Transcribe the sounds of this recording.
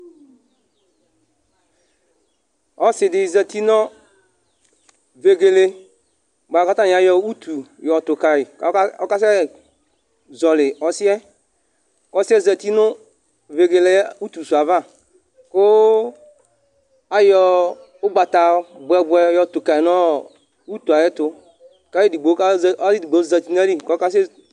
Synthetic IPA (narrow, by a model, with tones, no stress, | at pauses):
ɔ˦sɪ˨dɪ˨zɛ˨t̪i˦nɔ̃˦ | ve˨ɡe˨le˦ | ɡ͡ba˨˦ka˦t̪ã˦ɲ˨a˨˦jɔ˦u˦t̪ʰu˨jɔ˨t̪ʊ˨ka˨i˨˦ɔ˦ka˦sɛ˦˨ | zɔ˨lɪ˨ɔ˨si˦ɛ˦ | kɔ˦sɛ˦zɛ˨t̪i˦nʊ˦ | ve˨ɡe˨le˦u˦t̪u˨su˨a˨va˦˨ | kʊ˦ | a˦jɔ˦˨ | ʊ˦ɡ͡ba˨t̪a˨˦bʊ˨ɛ˨bʊ˨ɛ˨˦jɔ˨t̪ʊ˨ka˨i˨nɔ˦ | u˦t̪u˨a˨jɛ˦t̪ʊ˦ | ka˦e˦di˨ɡ͡be˨˦a˦˨˦i˦di˨ɡ͡be˨˦zɛ˨t̪i˦n˦a˦ɾi˦˨kɔ˦a˦sɛ˦